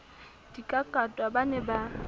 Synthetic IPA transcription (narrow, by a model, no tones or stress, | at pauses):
d̥ikʼakʼatʼwabanɛba